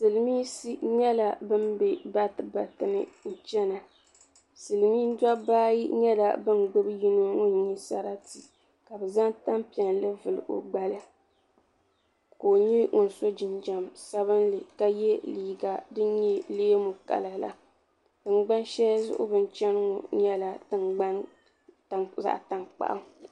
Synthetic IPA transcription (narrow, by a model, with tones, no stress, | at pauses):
sɨ˨lɨ˨˦miː˦si˦ɲɛ˦la˨bɨ˦mbe˨ba˦tɨ˦ba˨tɨ˨nɨ̰˦˨t͡ʃɛ˦na˨ | sɨ˨lɨ˨miː˦n˦dʷa˦baː˦jḭ˦ɲɛ˦la̰˨bɨ˦nɡ͡bɨ˦bji˦no˦ŋo˦n˨˦ɲi˦sa̰˦ɾa˦ti˨ | ka˨bɛ˨za˦ŋta˦mpi˨ɛ˨nlɨ˦vɨ˨lɨ̰˨ʔo̰˨ɡ͡ba˨lɨ˦ | ko˨ɲi˦ŋʊ˨n˨so˦d͡ʒɪ˨nd͡ʒa˨msa˦βɨ˦nlɨ˨ka˦jɛ˦liː˨ɡa˨dɨ˦ɲi˦leː˦mʊ˨ka̰˨lɨ˨la̰˦ | tɨ˨ŋ˦ɡ͡ba˦nʃɛ˦lzʊ̰˦ʔʊ̰˦bɨ˦n˦t͡ʃɛ˦n˦ŋɔ˨ɲɛ˦la˨tɨ˨ŋɡ͡ba˦n˨ | za̰˨ʔta˨ŋk͡pa̰˨ʔa˦ŋ˨